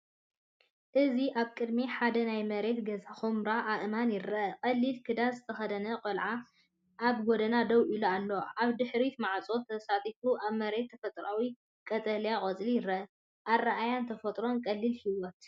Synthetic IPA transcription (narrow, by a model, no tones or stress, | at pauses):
ʔɨziʔaβkʼɨd̪miħad̪ɐnajmɐɾe̞t̪ɡɐzaxomɾaʔaʔɨmanjɪɾɐʔɐkʼɐlːilkʰɨd̪azɨt̪ʰɐxɐd̪ɐnɐqʼɐlʕa | ʔaβɡod̪ɐnad̪ɐwʔilualːo̞ʔaβd̪ɨħɾit̪maʕt͡sʼo̞t̪ʰɐsat̪ʼifuʔaβmɐɾe̞t̪ʰːɐfɐt̪ʼɾawi | kʼɐt̪ʼɐljakʼɐt͡sʼlijɪɾɐʔɐ | ʔarːaʔajant̪ʰɐfɐt̪ʼɾo̞nkʼɐlːilhiwɔt̪̚